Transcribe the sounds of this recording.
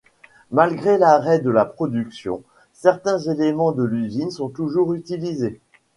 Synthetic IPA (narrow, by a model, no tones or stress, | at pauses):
malɡʁelaʁɛd̪əlapχɔd̪yksjɔ̰̃ | sɛʁt̪ɛ̃zelemɑ̃d̪əlyzinsɔ̃t̪uʒuʁyt̪ilize